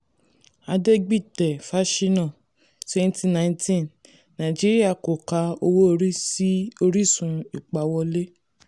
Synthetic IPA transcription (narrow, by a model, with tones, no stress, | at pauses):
a˧de˦ɡ͡bi˦˨tɛ˨fa˦ʃi˦nã˦˨ | se˧n˦ti˦nã˧˦ĩ˦tĩ˦˨n | nã˨i˨d͡ʒi˦ɾi˦a˦˨ko˨ka˧˦o˧wo˦o˧ɾi˦si˦o˧ɾi˦˨sũ˧i˨k͡pa˨˦wɔ˧le˦